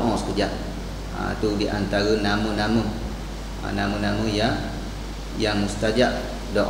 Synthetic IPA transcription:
ʔɔ̃sə̥kəd͡ʒaʔ | a̰t̪udiʔa̰nt̪aɾənamənamə | a̰namənaməja | jaŋmust̪ad͡ʒaʔ | dɔʔ

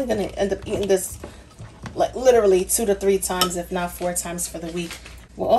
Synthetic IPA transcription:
ivɨ̃nɨɨ̰̃nðɨ̃ŋðɪs | laɪklɪɾə˞l̩ˠitʰʉɾɨθɹitʰãɪ̃mzɨfnəfɔɹtʰãɪ̃mz̥fə˞ðɨwik | wə̰ɔ

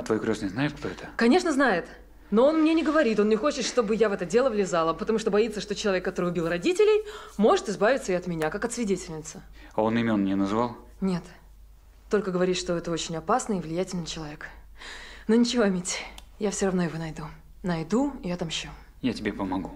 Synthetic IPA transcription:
ɐt̪vojkɾʲosnəjznajɪt̪kt̪o̞ɛt̪əkɐnʲe̞ʂnəznajɪt̪ | no̞o̞nmnʲenʲɪɡəvɐɾʲit̪o̞nnʲɪxo̞t͡ɕɪt̪ʂt̪o̞bɨjavɛt̪ədʲe̞lˠəvlʲɪzalˠəpət̪ɐmuʂt̪o̞bɐit̪səʂt̪ot͡ɕɪlˠɐvʲekːɐt̪o̞ɾɨjʊbʲilˠrɐdʲitʲɪlʲɪjmo̞ʐɨt̪ɨzbavʲɪt̪səɪɐt̪mʲɪnʲakakɐt̪svʲɪdʲetʲɪlʲnʲɪt̪sə | ao̞nɪmʲo̞nnʲɪnɐzvalˠ | nʲe̞t̪ː | o̞lʲkəɡəvɐɾʲit̪ʂt̪o̞ɛt̪əo̞t͡ɕɪnʲɐpasnɨɪvlʲɪjætʲɪlʲnət͡ɕɪlˠɐvʲe̞k | nonʲɪt͡ɕɪvomʲetʲjafsʲorɐvno̞ɪvonɐjd̪u | nɐjd̪uɪjat̪amɕːo | jatʲɪbʲepəmɐɡu

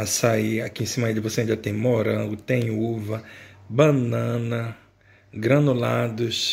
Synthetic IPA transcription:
asaiakiẽsĩmɐd͡ʒɪvoseẽnd͡ʒ̪ɐt̪ẽj̃moɾɐ̃ɡʊt̪ẽj̃uvɐbɐ̃nɐ̃nɐ | ɡɾɐ̃nolad̪ʊs

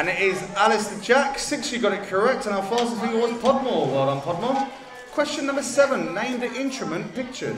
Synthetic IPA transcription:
ə̃nɪtɪzalɪsðəd͡ʒaksɪksjəɡɒɾɪʔ̚kʰəɹɛk̚tə̃naʊəfɑːˑstəsɪ̃ŋəwɒtpʰɒd̚mɔːwaɪlə̃npʰɒd̚mɔ | kʰw̥ɛst͡ʃə̃nːʌ̃mbəsɛvə̃nːẽɪ̃mdʔɪ̃ntɹ̥əmə̃npɪk̚t͡ʃə̰

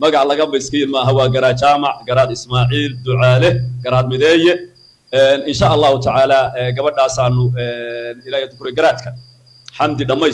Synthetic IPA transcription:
mɐɣɑʕlɐɣɐbɛjskʰɐjɪlmɐːɦɐwɑːɡɐɾaːt͡ʃaːmɑʕɡɐɾaːd̪ɪsmaːʕiːld̪ʊʕaːlɛɡɐɾaːd̪mɪðɛːjɛ | ɛːnɪnʃaːʔɑlːɑːhʊt̪ʰɐʕaːlaːɛːɡɐβɐɖaːsaːnʊɛːnɪlaːjɛd̪ʊkʰʊɾɛɡɐɾaːd̪̚kʰɐ | ħɑmd̪ɪɖɐmɛ

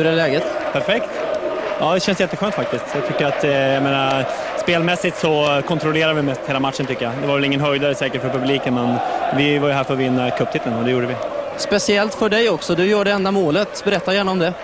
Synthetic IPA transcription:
hɵɾɛlɛːɡət̪pʰæɾfɛkt̪ɑːd̪ɛɕɛnsjɛt̪ːəɧøːnt̪fak̚t̪ɪskt̪jat̪ʰʏkːəɾat̪jameːna | speːlmɛsːɪt̪sɔkʰɔnt̪ɾɔleːɾaɾvɪmɛst̪heːlamat̪ʂənt̪ʏkːəjad̪ɛvaɾvɛlɪŋːənɦœjd̪aɾəsɛːkəʈfœɾpɵbliːkənmɛnvɪvaɾjɵɦæːɾfœɾɔvɪnːakʰɵpt̪ʰɪt̪ːlənɔd̪ɛjuːɖəvɪ | spɛsɪɛlt̪fœɖɛjɔksɔd̪ɵjœːɖɛɛnd̪amoːlət̪bɛɾɛt̪ːajæːɳaɔmd̪ɛ

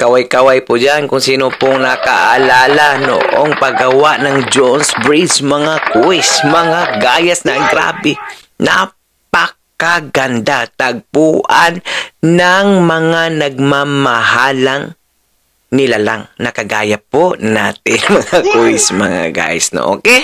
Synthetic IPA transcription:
kɐwajkawajpʊd͡ʒankʊŋsiːnopoŋnɐkaʔalaːlano̰ʔo̰ŋpɐɡɐwaʔnɐŋd͡ʒonsbɹismɐŋakʊwɪsmɐŋaɡaːjasnaʔŋɡɾa̰ːbɪ | na | pɐkaɡɐnd̪at̪aɡ̚puːʔannaŋmɐŋanɐɡ̚mamahalaŋ | nɪlala̰ŋnɐkɐɡa̰ːjapːona̰ːt̪ɪnmɐŋakʊwɪsmɐ̰ŋa̰ɡa̰ːja̰sno̰ʔo̰ːkɛ

